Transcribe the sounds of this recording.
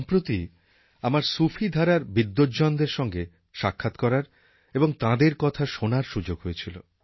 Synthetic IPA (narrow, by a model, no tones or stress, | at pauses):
ɔmpɾot̪i | amaɾsufʰid̪ʱaɾaɾbid̪ːod͡ʑɔnd̪eɾʃɔŋɡe | ʃakʰːat̪kɔɾaɾ | eboŋt̪ãd̪eɾkɔt̪ʰaʃonaɾʃud͡ʑoɡɦojet͡ɕʰilo